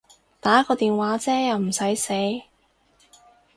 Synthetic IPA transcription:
t̪aː˨˥kɔː˧t̪iː˨nwaː˨˥t͡sɛː˥jɐ˨˧wm̩˨˩sɐ˨˥jse˨˥j

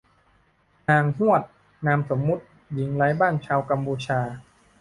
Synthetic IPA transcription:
naː˧ŋɦu˥˩ət̪̚ | naː˧mso˩˦mːu˦˥t̪̚ | ji˩˦ŋlaː˦˥jbaː˥˩nt͡ɕʰaː˧wka˧mpuː˧t͡ɕʰaː˧

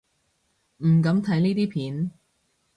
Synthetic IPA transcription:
m̩˨˩k̬ɐ˨˥mt̪ʰɐ˨˥jniː˥t̪iː˥pʰiː˨˥n

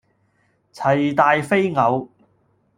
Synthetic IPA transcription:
t͡sʰɐ˨˩jt̪aː˧jfe˥jŋɐ˨˧w

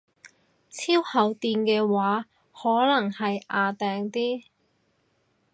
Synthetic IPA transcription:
t͡sʰiː˥whɐ˨˥˩wt̪iː˧nkɛː˧waː˨˥ | hɔː˨˥lɐ˨˩ŋhɐ˨jʔaː˨˧t̪ɛː˨˧ŋt̪iː˥

